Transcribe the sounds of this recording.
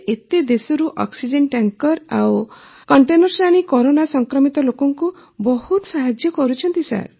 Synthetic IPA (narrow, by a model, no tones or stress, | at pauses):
ʔet̪ed̪esɔɾuʔɔ̰ksid͡ʒeɳʈaŋkɔɾa̰wkɔɳʈenɔɾsaɽ̃ikɔɾonasɔŋkɾɔmit̪ɔlokɔŋku | bɔhut̪saɦad͡ʒjɔkɔɾut͡ʃʰɔnt̪isa̰ɾ